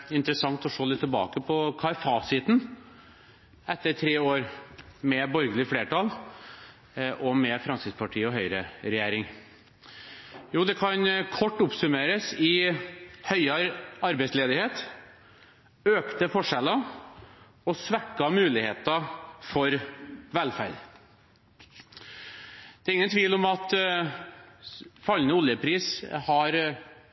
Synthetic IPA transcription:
ɪnt̪ɾəsɑŋt̪ɔʂoːlɪt̪ʰːəlbɑ̰ːkəpʰɔkʰɑɛfɑsɪt̪n̩ | ɛt̪ːəɾʈʰɾeːoːɾmɛbɔɾɡəlɪfleːʈɑl | ʔɔmɛfɾɑnsɪspʰɑʈʰiːəɔɦœʏɾəɾɛjæːɾɪŋ | juːd̪ɛkʰɑnkʰɔʈːʊpsʉmeːɾəsɪ | hœʏɑɾɑɾbɛɪsleːd̪ɪheːt̪ | øːkt̪əfɔʂɛlɑ | ɔsʋækːɑmʉːlɪheːt̪ɑfɔɾʋɛlfæ̰ɭ | d̪̥ɛːɾɪŋːənt̪ʰʋiːlɔmɑt̪ | fɑlːənəʊljəpʰɾiːshɑɾ

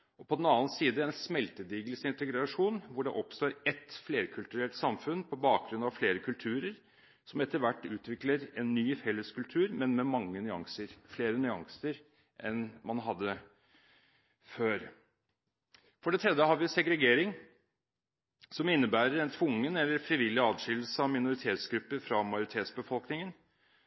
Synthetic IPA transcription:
ɔpʰɔd̪ɛnɑːnsiːd̪əɛnsmɛlt̪əd̪iːɡlsɪnt̪ɛɡɾɾɑʂuːnʋʊɖɛʔɔpst̪oːɾɛt̪fleːɾkʰʉlt̪ʉɾɛlʈsɑmfʉnpʰɔbɑːk̚ɡɾʉnɑʋfleːɾəkʰʉlt̪ʰʉːɾəɾ | sɔmɛt̪ːəɾʋæʈːʉːt̪ʋɪkləɾɛnːyːfɛlːəskʉlt̪ʰʉːɾmɛnmɛmɑŋːənʏɑ̰ŋsəɾfleːɾənʏɑŋsəɾ | ʔɛnmɑnɦɑd̪ːə | føːɾ | fɔɖɛt̪ʰɾɛd̪ːəhɑːɾʋɪsɛɡɾɛɡeːɾɪŋ | sɔmɪnːəbæːɾəɾɛnt̪ʰʋʊŋːənɛlːəɾfɾɪʋɪlːɪɑːdʂɪll̩səɑʋmɪnʊɾɪt̪ʰeːt̪sɡɾʉpːəɾfɾɑmɑjʊɾɪt̪ʰeːt̪sbəfɔlknɪŋən

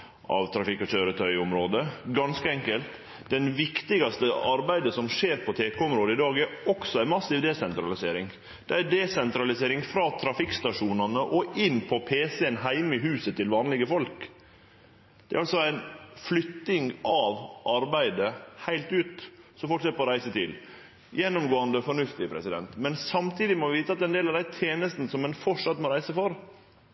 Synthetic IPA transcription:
ʔʔɑ̰ʋt̪ʰɾɑfɪkːɑçøːɾət̪ʰœʏʊmɾoːd̪əɡɑnskəɛŋkəlt̪ | d̪ɛnʋɪkt̪ɪɡɑst̪əʔɑɾbæɪd̪əsɔmʂeːɾpʰɔt̪ʰeːkʰoɔmɾoːd̪əɪd̪ɑːɡæɾɔksɔæɪnmɑsɪʋd̪ɛsɛnt̪ɾɑlɪseːɾɪŋ | d̪̥ɛæd̪ɛsɛnt̪ɾɑlɪseːɾɪŋfɾɑːt̪ʰɾɑfɪkst̪ɑʂuːnɑnəʔɔɪnːpʰɔpʰeːsɛənɦæɪmɪɦʉːsət̪ʰɪlʋɑːnlɪɡəfɔlk | d̪̥ɛæɾɑlsɔæɪnflʏt̪ːɪŋɑʋʔɑɾbæɪd̪əhæɪlt̪ʉːt̪sɔfɔlkʂɛt̪ːəpʰɔːɾæɪsət̪ʰɪl | jɛnːʊmɡoːɑnd̪əfɔɳʉft̪ɪpʰɾɛ̰sɪd̪ɛ̰nt̪mɛnsɑmt̪ʰiːd̪ɪmɔʋɪʋiːt̪əɑt̪d̪ɛnd̪eːlɑʋd̪æɪt̪ʰjeːnəst̪n̩sɔmːɛnfɔʂɑt̪mɔɾæɪsəfɔɾ

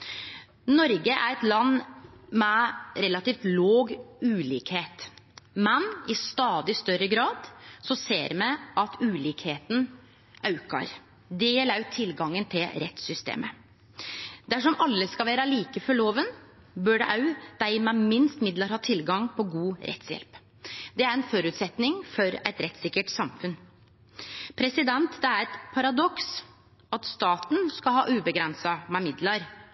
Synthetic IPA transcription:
nɔɾɡəʔæ̰ɾɛt̪lɑnːmɛɾɛlɑt̪iːft̪loːɡʉːlḭːkheːt̪mɛnɪst̪ɑːd̪ɪst̪œɾəɡɾɑːd̪sɔsḛːɾmɛʔɑt̪ʰʉːliːkheːt̪n̩ | ʔɑʉkɑ̰ɾ | d̪ɛjɛlɑʉt̪ʰːɪlɡɑŋːənt̪ʰɪlɾɛt̪sʏst̪ḛːmə | d̪æʂɔmɑlːəskɑʋæːɾɑliːkəfɔɭoːʋən | bœɖɛ̰ʔɑʉd̪̥æɪmɑmɪnst̪mɪd̪lɑɾhɑːt̪ʰɪlɡɑŋpʰɔɡuːɾɛ̰t̪sjɛ̰lp | d̪ɛæɾɛnfɔɾʉt̪sɛt̪nɪŋfɔɾɛt̪ɾɛt̪sɪkːəʈsɑmfʉn | pʰɾɛsɪd̪ɛnt̪d̪ɛæɾɛt̪pʰɑɾɑd̪ɔks | ɑt̪st̪ɑːt̪n̩skɑhɑ̰ːʔʉːbəɡɾɛnsɑmɛmɪd̪lɑɾ

